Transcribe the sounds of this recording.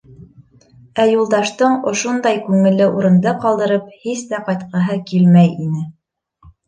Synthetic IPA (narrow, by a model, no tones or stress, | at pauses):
æjulˠd̪ɑʃt̪ɤɴŏʃund̪ɑjkʉŋɘ̆lːɘʔuɾɤ̆nd̪ɤqɑlˠd̪ɤ̆ɾɤp̚hist̪æqɑjt̪̚qɤ̆ɦɤkilmæjinɘ